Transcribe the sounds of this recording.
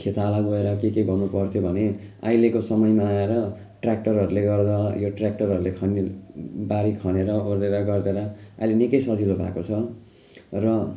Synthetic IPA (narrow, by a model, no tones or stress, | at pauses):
kʰet̪alaɡoeɾʌkekeɡʌnupʌrt̪ʰjobʱʌne | a̰jlekosʌmʌjmaːeɾʌ | ʈrak̚ʈʌrɦʌɾuleɡʌrd̪ʌjoʈrak̚ʈʌrɦʌɾulekʰʌnibaɾikʰʌneɾʌordeɾʌɡʌrd̪eɾʌa̰jlenikʌjsʌd͡zilobʱa̰kot͡sʰʌ | rʌ